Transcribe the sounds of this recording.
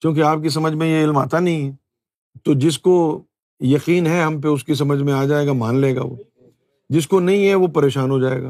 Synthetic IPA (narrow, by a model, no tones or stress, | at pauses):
kjõːk̬eaːp̚kis̬ɐməd͡ʒʱmẽjeɪlma̰ːt̪anɐɦĩɦɛ | t̪oːd͡ʒɪs̬ko | jɐqiːnɦɛɦɐmp̬eʊskis̬ɐməd͡ʒʱmẽaːd͡ʒaːeːɡamaːnleːɡa̰ːʋo̰ː | d͡ʒɪs̬konɐɦĩɦɛʋopɐɾeːʃaːnɦod͡ʒaːḛːɡaː